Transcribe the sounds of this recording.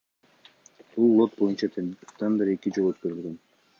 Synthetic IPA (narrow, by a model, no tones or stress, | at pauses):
bulˠːo̞t̪̚bo̞junt͡ʃɑt̪ʰent̪ɑnd̪ɑɾe̞kid͡ʒo̞lˠøt̪køɾylɡe̞n